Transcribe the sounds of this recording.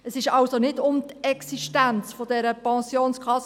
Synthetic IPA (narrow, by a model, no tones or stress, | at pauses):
əsɪʃɑlsonɪtʊmt̪ɛksiʃtænt͡sfɔdɛɾəpɑ̃sjoːnskʰɑs